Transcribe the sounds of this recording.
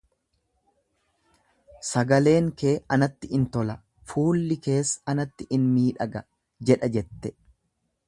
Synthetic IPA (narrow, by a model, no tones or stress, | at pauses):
sɐɡɐle̞ːŋke̞ːɐnɐt̪ːɪʔɪnt̪ɔlɐ | fuːlːɪke̞ːsːɐnɐt̪ːɪʔɪnmiːᶑɐɡɐ | d͡ʒɛᶑɐd͡ʒɛt̪ːɛ